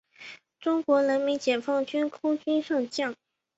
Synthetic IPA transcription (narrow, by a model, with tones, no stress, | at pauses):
ʈ͡ʂʊ˥ŋkwɔ˧˥lə˧˥nmi˧˥nt͡ɕjɛ˨˩nfɑ˥˩ŋt͡ɕy˥nkʰʊ˥ŋt͡ɕy˥nʂɤ˥˧ŋɕjɑ˥˩ŋ